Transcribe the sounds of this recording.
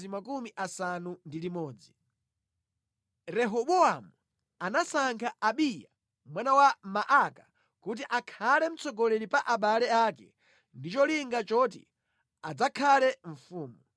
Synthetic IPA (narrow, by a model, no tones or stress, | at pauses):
imakumiʔasanundilimɔːd͡zi | ɾɛɦɔɓɔamu | anasaŋkʰaʔaɓija̰ | mwanawamaʔaka | kut̬iʔakʰalɛm̩t͡sɔɡɔlɛɾipaʔaɓalɛakɛ̰ | ndit͡ʃɔliŋɡat͡ʃɔtḭ | ad͡zakʰalɛɱ̩fuːmu